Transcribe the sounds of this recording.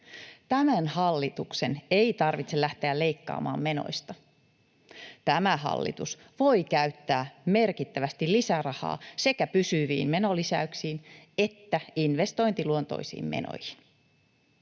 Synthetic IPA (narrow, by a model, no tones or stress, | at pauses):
t̪æmænhɑlːit̪ukseneit̪ɑrʋit̪selæht̪eæle̞jkːɑ̰ːmɑ̰ːmːe̞no̰jst̪ɑ | t̪æmæɦɑ̰lːḭt̪us | ʋo̞jkæyt̪ːæːme̞rkit̪ːæʋæst̪illisærɑhɑ̰ːse̞kæpysyʋḭːmme̞nolisæ̰yksiːne̞t̪ːæinʋe̞st̪o̞jnt̪iluont̪o̰jsḭːmmḛno̰jhin